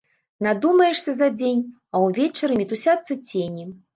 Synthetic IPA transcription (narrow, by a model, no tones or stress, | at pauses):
nad̪umɐjɛʂsʲɐzɐd͡zʲenʲ | ɐwvʲet͡ʃɐɾɨmʲit̪usʲat̪sːɐt͡sʲenʲi